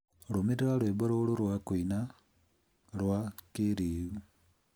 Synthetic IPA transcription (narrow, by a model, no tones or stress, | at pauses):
lumiɾiɾalweboɾoluɾwakwiina | lwakiɾiu